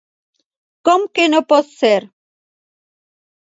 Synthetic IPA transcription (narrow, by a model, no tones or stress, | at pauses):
kɔmkenɔpɔsɛɾ